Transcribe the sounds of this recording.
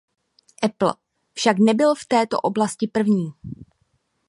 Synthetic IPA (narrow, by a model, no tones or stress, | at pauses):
ʔɛpl̩ | fʃaknɛbɪlft̪ɛːt̪o̞̰ʔo̞blascɪpr̩vɲiː